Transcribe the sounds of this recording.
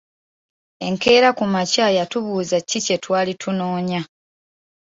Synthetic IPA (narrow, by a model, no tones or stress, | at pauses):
e̞ŋke̞ːɾakumacaːjatuβuːzacːice̞twaːlitʰunoːɲa